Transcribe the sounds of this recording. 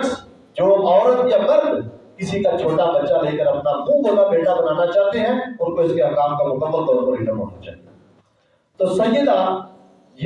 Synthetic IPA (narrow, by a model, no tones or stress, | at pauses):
ʈs | d͡ʒoːmɔːɾət̪kebɐɾd̪kɪsikat͡ʃʰoːʈabɐtːʃaleːkəɾɐpnabũːbonabeːʈabɐnaːnat͡ʃaːɦt̪eɦɛ̃ʊnkoɪskeɦakaːmkamʊkəbːəlt̪ɔːɾpɐɾbiɖɐmɦo̰ːna̰t͡ʃa̰ːɦt̪ | t̪oːsɐ̃jjəd̪a | j